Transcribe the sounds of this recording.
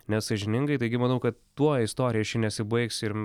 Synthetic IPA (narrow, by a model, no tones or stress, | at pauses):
nʲɛssɐʒʲɪnʲɪŋɡɐɪt̪ɐɪɡʲɪmɐnɐʊkɐt̪ːuɔɪst̪oːɾʲɪjɛʃʲɪnʲɛsʲɪbɐɪksɪɾ